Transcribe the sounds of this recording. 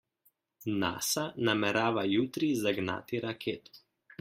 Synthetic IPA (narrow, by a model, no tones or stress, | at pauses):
na̰ːsanamɛɾaːʋajuːt̪ɾizaɡna̰ːt̪iɾakʰeːt̪ɔ̥